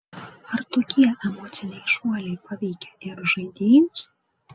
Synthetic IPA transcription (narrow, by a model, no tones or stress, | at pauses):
ɐɾt̪oːkʲiɛɛmoːt̪sʲɪnʲɛɪʃuɔlʲɛɪpɐʋʲɛɪkʲɛɪɾʒɐɪd̪ʲeːjmʊs